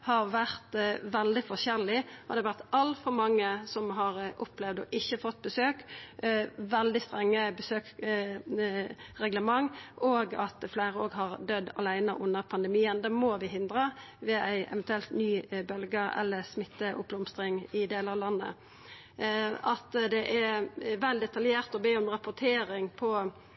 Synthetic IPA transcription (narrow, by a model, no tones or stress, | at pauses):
hɑʁʋæʁt̪ʋɛld̪ɪfɔçɛʁlɪɔd̪ɛhɑʋæʁt̪ɑlt̪fɔɾmɑŋːəsɔmɦɑʁʔʊplɛʋd̪ɔ̰ʔɪçːəfɔt̪̚ːbəsøːk | ʋɛld̪ɪst̪ʁɛŋːəbəsøːk | ʁɛɡləmɑŋʔoːɡɑt̪flæɪɾəoːɡɦɑʁd̪œd̪ːɑ̰læɪnəʔʊnːəʁpʰɑnd̪əmiːənd̪ɛːmoʋɪɦɪnd̪ʁəʋɛːʔæɪʔɛ̰ʋɛnt̪ʉɛlt̪nyːbœlɡəɛ̰lːəsmɪt̪ːəʔʊ̰p̚blʊmst̪ʁɪŋɪd̪eːləɾɑʋlɑnːə̰ | ɑt̪d̪ɛʔæʋɛld̪ɛt̪ɑljeːʁt̪ɔbeːɔmʁɑpʊt̪ʰeːɾɪŋpʰɔ